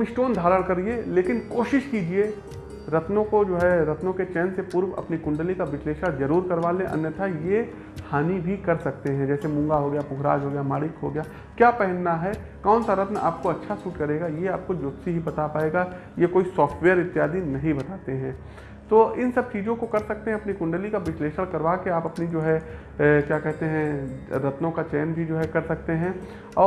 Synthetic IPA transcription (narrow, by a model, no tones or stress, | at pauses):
mɪsʈoːnd̪ʱaːɾəɽkɐɾieleːkɪnkoːʃɪʃkiːd͡ʒie | ɾɐt̪nõkod͡ʒoːɦɛɾɐt̪nõket͡ʃɛːnsepʊɾʋɐ̰pnikʊ̃ɳɖəlikaʋɪʃleːʃazɐɾuːɾkɐɾʋaːlẽʔɐ̰njət̪ʰaje | haːnibʱikɐɾsɐk̚t̪eɦɛ̃d͡ʒɛːsemʊ̃ŋɡaɦoɡɐjaːpʊkɾa̰ːd͡ʒɦoːɡjamaːɽɪkɦoːɡɐjaː | kjaːpɛɦɛnːaɦɛkaːnsaɾɐt̪na̰ːp̚koɐtːʃʰasuːʈkɐɾeːɡajeaːp̚kod͡ʒoːt̪siɦibɐt̪apaːeːɡa | jekoːisɔːfʈʋɛːəɾɪt̪ːɪjaːd̪inɐɦĩbɐt̪aːt̪eɦɛ̃ː | t̪oːɪnsɐb̚t͡ʃiːd͡ʒõkokɐɾsɐk̚t̪ẽɦɛ̃ɐpnikʊ̃ɳɖəlikaʋɪsleːʃəɽkɐɾʋaːkeaːpɐpnid͡ʒoːɦɛ | kjaːkɛɦt̪eɦɛ̃ɾɐt̪nõkat͡ʃɛːnbʱid͡ʒoːɦɛkɐɾsɐk̚t̪eɦɛ̃ | ɔː